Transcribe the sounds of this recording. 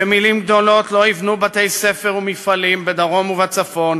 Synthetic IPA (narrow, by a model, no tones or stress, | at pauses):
emilimɡd̪o̞lo̞tlo̞ivnubat̪e̞jse̞fe̞ʁumifalimbed̪aʁo̞muvat͡safo̞n